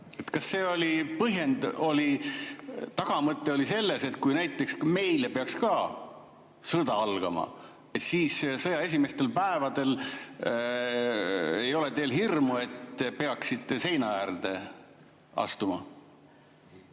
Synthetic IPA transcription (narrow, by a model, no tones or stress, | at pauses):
e̞t̪kɑsːe̞ːo̞lʲipɤɦje̞nd̪o̞li | t̪ɑɡ̥ɑmɤt̪ːˑe̞o̞lise̞lːe̞se̞t̪̚kujnæjt̪ːˑe̞ksme̞jlepeɑkskɑː | sɤd̪̥ɑɑlɡ̥ɑ̰mɑ̰ | e̞t̪siːssɤjɑe̞s̬ʲime̞st̪e̞lpæevɑd̪e̞l | e̞jo̞let̪e̞ːlhirmue̞t̪ːepe̞ɑksit̪ːˑese̞jnɑjærd̪e̞ | ɑ̰st̪umɑ̰